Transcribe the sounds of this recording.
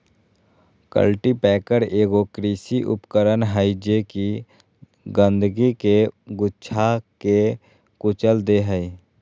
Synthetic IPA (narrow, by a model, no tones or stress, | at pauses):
kə̰lʈipɛːkəɾeːɡokɾiːsiʔʊ̰pkəɾənɦəid͡ʒeki | ɡə̃nd̪əɡikeɡʊtːʃʰake | kʊt͡ʃəld̪eɦəi